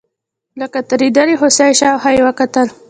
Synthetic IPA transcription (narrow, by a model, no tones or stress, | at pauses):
ləkat̪aɾid̪aɾiɦosajʃawɦajwəkat̪əl